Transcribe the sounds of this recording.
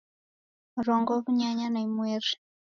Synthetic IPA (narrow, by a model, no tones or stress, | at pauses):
mɾɔŋɡɔβuɲaɲanaimweɾi̥